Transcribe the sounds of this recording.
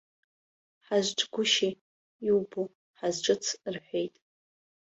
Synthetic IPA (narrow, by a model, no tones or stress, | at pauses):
ħaʒʷʈ͡ʂʰʼɡʷʊʃi | iwbu | ħazʈ͡ʂʷʼɨt͡sʰrħʷejtʼ